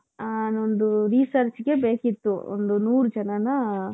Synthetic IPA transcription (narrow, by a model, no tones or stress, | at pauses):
anond̪uɾisɐɾt͡ʃɡe̞beːkit̪ːuo̰nd̪unuːɾud͡ʒɐnɐnɐ